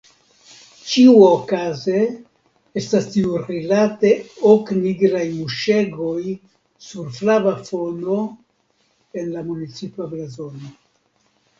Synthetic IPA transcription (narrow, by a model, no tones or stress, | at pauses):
t͡ʃiuaokaze | estastiuɾilate̞okniɡɾajmuʃe̞ɡo̞j | suɾflavafo̞no̞ | e̞nlamunit͡sipablazono